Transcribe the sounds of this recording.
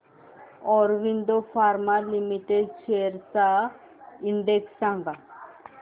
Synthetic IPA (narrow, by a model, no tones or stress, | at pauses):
ɔɾʋind̪ofaɾmalimiʈeɖʃeɾsa | ind̪eksãŋɡa